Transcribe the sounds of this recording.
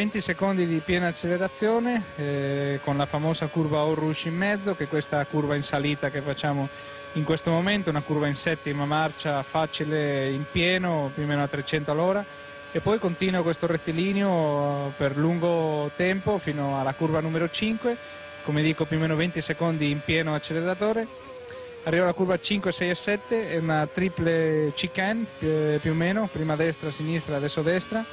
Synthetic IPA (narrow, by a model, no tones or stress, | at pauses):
vent̪isekond̪id̪ipjɛːnaːt͡ʃːeleɾat̪sːjoːne | konlafamoːzakurvaorːuʃimːɛd̪zːokekwest̪akurvainsaliːt̪akefat͡ʃːaːmo | iŋkwest̪omoment̪ounakurvainsɛt̪ːimamart͡ʃafat͡ʃileimpjɛːnopjuomːeːnoat̪ːɾet͡ʃɛnt̪oalːɔːɾa | epːɔjkont̪iːnwakwest̪oret̪ːiliːneopeɾluŋɡot̪ɛmpofiːnoalakuɾbanumeɾot͡ʃiŋkwe | komed̪iːkopjuomeːnovent̪isekond̪iːmpjɛːnoat͡ʃːeleɾat̪̬oːɾe | arːiːvalakuɾbat͡ʃiŋkwesɛjɛsɛt̪ːeɛunat̪ɾiplet͡ʃikɛnpjumeːnopɾiːmad̪ɛst̪ɾasinist̪ɾad̪ɛsːod̪ɛst̪ɾa